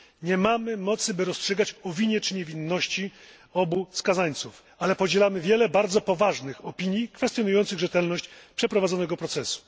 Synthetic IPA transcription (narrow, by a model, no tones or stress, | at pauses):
ɲɛmamɘmɔt̪sɘbɘɾɔstʂɛɡat͡ɕɔvʲiɲjɛt͡ʂɘɲɛvʲinːɔɕt͡ɕi | ɔbuskazaɲt̪suf | alɛpɔd͡ʑɛlamɘvʲjɛlɛbaɾd̪zɔpɔvaʐnɘxɔpʲiɲjikfɛst̪jɔnujɔnt̪sɘɣʐɛt̪ɛlnɔɕt͡ɕpʂɛpɾɔvad̪zɔnɛɡɔpɾɔt̪sɛsu̥